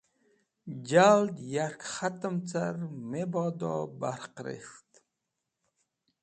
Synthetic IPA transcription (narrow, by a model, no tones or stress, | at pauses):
d͡ʒald̪jaɾkχat̪əmt͡saɾmebɑd̪ɔ̰ːbaɾqɾḛxt̪